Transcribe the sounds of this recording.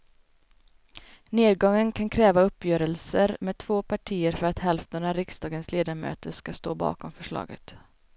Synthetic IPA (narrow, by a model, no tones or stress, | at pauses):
neːd̪ɡɔŋːənkʰankʰɾɛːvaɵpːjœːɾəlsəɾmeːd̪̚t̪ʰvoːpʰaʈʰiːəɾfœɾat̪hɛlft̪əɳaɾɪksd̪ɑːɡənsleːd̪aɾmø̰ːt̪əʂkast̪oːbɑ̰ːkɔmfœʂɭɑ̰ːɡə̰t̪